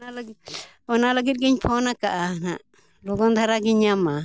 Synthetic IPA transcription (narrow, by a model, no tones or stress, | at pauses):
nal | ɔnaləɡit̪̚ɡiɲpʰɔnakaʔanaʔ | lɔɡɔnd̪ʱaɾaɡiɲama